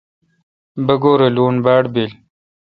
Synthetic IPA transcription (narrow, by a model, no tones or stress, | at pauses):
bɐɡoːɾeluːnbaːɽbeːl